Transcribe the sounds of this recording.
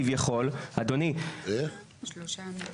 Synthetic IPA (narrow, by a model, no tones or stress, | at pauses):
ivjaχo̞lad̪onie